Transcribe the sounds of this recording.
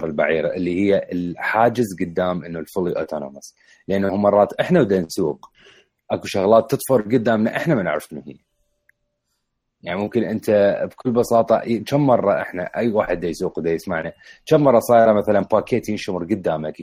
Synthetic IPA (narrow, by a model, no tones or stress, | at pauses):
ɾˤɪlba̰ʕiːɾa̰ʔɪlːihɪjːaʔɪlħaːd͡ʒɪzɡʊd̪ːaːmʔɪnːulfʊliʔa̰t̪ʰana̰ːmɑs | lʔanːhʊmːɑrˤːɑːt̪ʔɪħnawd̪ansuːq | ʔakuʃaɣlɑːt̪ːɨt̪ˤfʊɾˤɡʊd̪ːaːmnaʔɪħnamanaʕɾˤɑ̥fnuhḭː | jaʕnimʊmkɪnʔɪnt̪abkʊlːbɑsɑːt̪ˤɑ̰t͡ʃamːɑrˤːɑʔɪ̰ħna̰ʔajːwaːħɪd̪ːajsuːqwd̪ajɪsmaʕnat͡ʃammːɑrˤːɑsˤɑːjɾˤɑmaθalanpaːkeːt̪inʃʊmɾˤɡʊd̪ːaːmak